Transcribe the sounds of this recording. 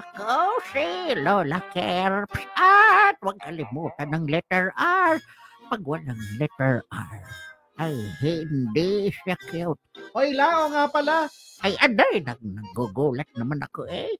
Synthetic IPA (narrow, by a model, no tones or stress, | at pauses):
akosɪlolakɛɾpsʔat̪̚waɡ̚kalɪmut̪anaŋlɛt̪ɛɹaɹpaɡwalaŋlɛt̪ɛɹa̰ɾ | ajhɪnd̪ɪsiakɪot̪̚ʔojlaʔoŋapalakajʔad̪ajnaɡnaɡʊɡolɛt̪̚namana̰koʔe